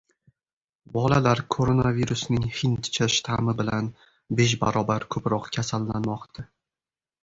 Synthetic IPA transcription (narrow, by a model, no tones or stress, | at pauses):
bɒlalaɾkʰoɾonaviɾusnɪŋhɪnt̪t͡ʃʰaʃt̪ʰamɪbɪlan | beʃ̬ba̰ɾɒbaɾkʰɵpɾɒqkʲʰasalːanmɒqt̪ʰa